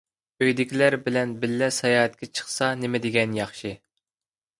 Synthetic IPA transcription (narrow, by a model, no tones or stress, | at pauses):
øjd̪ɪkʲʰilæɾbɪlɛnbɪlːɛsɑjɑːɦɛt̪̚kʲɛt͡ʃʰə̥χsɑnɪmɪd̪ɪɡʲɛnjɑχʃɨ